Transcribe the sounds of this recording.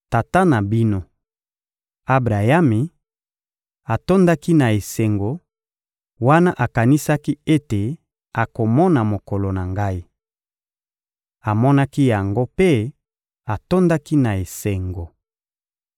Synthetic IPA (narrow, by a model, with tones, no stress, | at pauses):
ta˨ta˦na˨bi˦no˦ | a˦bʁa˨ja˦mi˨ | a˨to˦nda˦ki˦na˨e˨se˨ŋɡo˨ | wa˦na˦ʔa˨ka˨ni˦sa˦ki˦e˦te˨ | a˨ko˨mɔ˦na˨mo˨ko˨lo˨na˨ŋɡa˦i˦ | a˨mɔ˦na˦ki˦ja˨ŋɡo˦pe˦ | a˨to˦nda˦ki˦na˨e˨se˨ŋɡo˨